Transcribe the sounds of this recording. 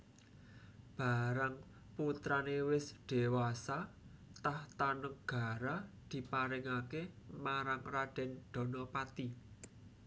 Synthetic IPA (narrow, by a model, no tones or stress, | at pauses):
b̥a̤ɾaŋ | put̪ɾanewɪsd̪̥e̤wasat̪aht̪anəŋɡ̥a̤ɾad̪̥i̤paɾɪŋakemaɾaŋraɖ̥ɛ̤nɖ̪̥ɔ̤nɔpat̪i